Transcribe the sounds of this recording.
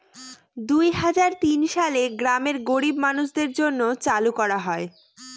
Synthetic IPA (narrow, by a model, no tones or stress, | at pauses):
d̪ujɦad͡ʑaɾt̪inʃaleɡɾameɾɡoɾibmanuʃd̪eɾd͡ʑonːot͡ɕalukɔɾaɦɔe